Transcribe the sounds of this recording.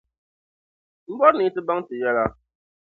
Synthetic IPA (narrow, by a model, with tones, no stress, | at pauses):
m̩˦bɔ˦ɾni˨˦tɨ˦ba˦ŋtɨ˨jɛ˦la˦